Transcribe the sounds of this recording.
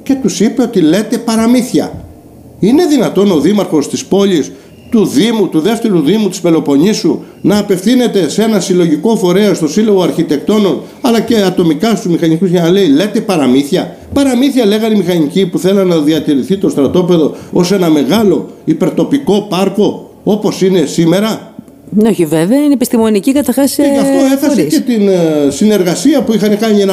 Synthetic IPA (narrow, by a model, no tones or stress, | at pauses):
ce̞t̪usipe̞o̞t̪ile̞t̪e̞pɐɾɐmiθçɐ̰ | ine̞ðinɐt̪o̞no̞ðimɐɾxo̞st̪ispo̞ʎis | t̪uðimut̪uðe̞ft̪e̞ɾuðimut̪i̥spe̞lo̞po̞ɲisu | nɐːpe̞fθine̞t̪e̞se̞nɐsilo̞ʝiko̞fo̞ɾe̞ɐst̪o̞silo̞ɣoɐɾçit̪e̞k̚t̪o̞no̞n | ɐlɐce̞ɐt̪o̞mikɐst̪uzmixɐɲikuzʝɐnɐle̞ile̞t̪e̞pɐɾɐmiθçɐ | pɐɾɐmiθjɐle̞ɣɐɾimixɐɲicipuθe̞lɐnɐðiɐt̪iɾiθit̪o̞st̪ɾɐt̪o̞pe̞ðo̞ose̞nɐme̞ɣɐlo̞ipe̞ɾt̪o̞piko̞pɐɾko̞ | o̞po̞sine̞sime̞ɾɐ | oçiveveɐinepist̪imo̞nicikɐt̪ɐɾxɐseɐft̪oeθɐssecet̪insine̞ɾɣɐsiɐpuixɐnekɐɲienɐ